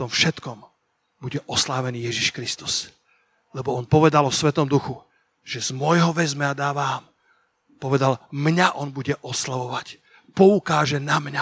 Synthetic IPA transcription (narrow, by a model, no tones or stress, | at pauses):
t̪ɔmfʃɛt̪kɔm | buɟɛʔɔslaːʋɛniːjɛʒiʃkɾist̪u̥s | lɛbɔɔnpɔʋɛd̪alɔsʋɛt̪ɔmd̪uxu | ʒ̥ɛz̥mɔjɦɔʋɛzmɛad̪aːʋaːm | pɔʋɛd̪almɲaʔɔnbuɟɛʔɔslaʋɔʋac | pɔukaːʒɛnamɲa